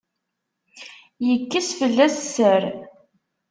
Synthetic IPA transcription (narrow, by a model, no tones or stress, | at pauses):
jəkːəsfəlːæsːəɾ